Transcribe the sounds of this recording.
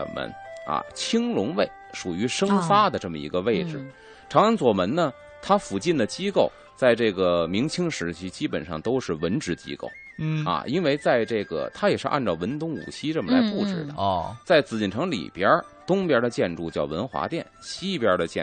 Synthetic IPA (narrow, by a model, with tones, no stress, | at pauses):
mə̰˧˥nɐ̰˧˩t͡ɕʰi˥ŋlʊ˧˥ŋwe˥˩ɪʂu˨˩y˧˥ʂɤ˥ŋfa˥d̪ə˨ʈ͡ʂɤ˥˩mə̰˩ḭ˧˥ɡə˧ʋe˥˩ɪʈ͡ʂɻ̩˩ | ʈ͡ʂʰɑ˧˥ŋə˧˥nt͡swɔ˨˩mə˧˥nnə˧ | t̪ʰa˥fu˨˩t͡ɕi˥˩nd̪ə˩t͡ɕi˥ko˥˩ʊ | t͡sa˥˧ɪʈ͡ʂɤ˥˩ɡə˩mi˧˥ŋt͡ɕʰi˥ŋʂɻ̩˧˥t͡ɕʰi˧˥t͡ɕi˥pə˨˩nʂɑ̰˥˩ŋt̪o˥ʊʂɻ̩˥˩wə˧˥nʈ͡ʂɻ̩˧˥t͡ɕḭ˥ko̰˥˩ʊ | ɐ̰˧ʔi˥nwe˥˧ɪt͡sa˥˧ɪʈ͡ʂɤ˥˩ɡə̰˩t̪ʰa˥jɛ˨˩ʂɻ̩˧ʔa̰˥˧nʈ͡ʂɑ˥˩ʊwə˧˥nt̪ʊ˥ŋṵ˨˩t͡ɕʰi˥ʈ͡ʂɤ˥˩mə˩la˧˥ɪpu˥˩ʈ͡ʂɻ̩˨˩d̪ə̰˦t͡sa˥˩ɪt͡sɹ̩˧˩t͡ɕi˥˩nʈ͡ʂʰɤ˧˥ŋlḭ˨˩pjə˥ | t̪ʊ˥ŋpjə˧˥d̪ə˧t͡ɕjɛ˥˧nʈ͡ʂu˥˧t͡ɕjɑ˥˩ʊwə˧˥nxwa̰˧˥t̪jɛ˥˩nɕi˥˧˩pjə˞˧˥də˧t͡ɕjɛ̰˥˩